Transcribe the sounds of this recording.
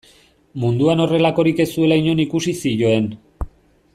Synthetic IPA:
mund̪uano̞re̞lako̞ɾike̞sue̞laiɲo̞nikusisiʝo̞e̞n

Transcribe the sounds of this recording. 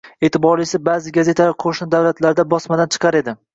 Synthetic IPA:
e̞ːt̪ʰɪbɒɾɪsɪbaːzɪɡaze̞t̪ʰalaɾqʰoʃnɪd̪awlat̪ʰlaɾd̪abɒsmad̪ant͡ʃʰɨ̥qʰɑɾe̞d̪ɪ

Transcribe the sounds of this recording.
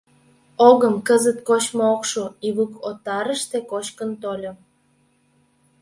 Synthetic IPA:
oɣəmkəzət̪kot͡ɕmookʃoiβukot̪ɑɾəʃt̪ekot͡ɕkənt̪olʲo

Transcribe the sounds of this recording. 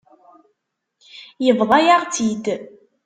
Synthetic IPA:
jəvðˤɑjaʁt͡sid̪

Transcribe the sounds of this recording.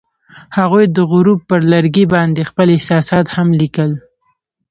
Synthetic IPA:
haɣujd̪əɣʊɾub̚pəɾlaɾɡibɑnd̪expəlɪhsɑsɑt̪hamlikəl

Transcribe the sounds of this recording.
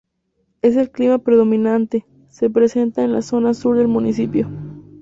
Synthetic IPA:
e̞s̬e̞lklimapɾe̞ðo̞mĩnant̪e̞ | se̞pɾe̞se̞nt̪aenlaso̞nasuɾðe̞lmunisipjo̞

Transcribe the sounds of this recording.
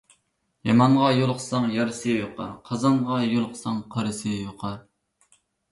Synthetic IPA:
jɑmɑɴʁɑjolˠqʰə̥sɑŋjɑɾɨsɨjoqʰɑ̰ɾqʰɑzɑɴʁɑjolˠqʰə̥sɑŋqʰɑɾɨsɨjoqʰɑɾ

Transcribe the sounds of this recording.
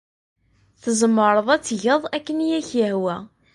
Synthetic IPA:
θəzəmːəɾˤəðˤæt͡sːʝəðˤækːənjæçjəhwæ

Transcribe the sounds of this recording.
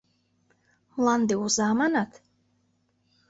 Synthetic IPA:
mlˠand̪iuzaːmanat̪ʰ

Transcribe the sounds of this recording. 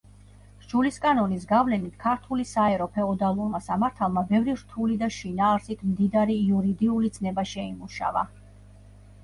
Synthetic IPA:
d͡ʒuliskʼanɔnis̬ɡavlɛnit̪ʰkʰaɾt̪ʰulisaɛɾɔpʰɛɔd̪alˠuɾmasamaɾt̪ʰalˠmabɛvɾiɾt̪ʰulid̪aʃinaːɾsit̪ʰmd̪id̪aɾiːuɾid̪iulit̪sʰnɛbaʃɛimuʃa̰va̰

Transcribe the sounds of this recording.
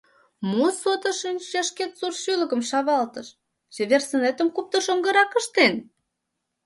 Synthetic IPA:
mosot̪ə̆ʃinʲt͡ɕɑʃket̪surʃylə̆kə̆mʃɑβɑlt̪ɤ̆ʃ | zeβersə̆net̪əmkup̚t̪ə̆ʃoŋɡə̆ɾɑkə̆ʃt̪en

